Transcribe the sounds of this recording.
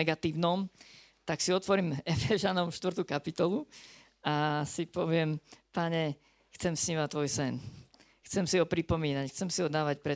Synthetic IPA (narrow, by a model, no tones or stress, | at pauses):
ɛɡat̪iːʊnɔm | t̪aksiɔt̪ʋɔɾiːmɛfɛʒanɔmʃt̪ʋr̩t̪uːkapit̪ɔlˠu | asipɔʋɪɛmpaɲɛ | xt͡sɛmsɲiːmat̪ːʋɔjsɛn | xt͡sɛmsiɦɔpɾipɔmiːnacxt͡sɛmsiɔd̪aːʋacpɾɛ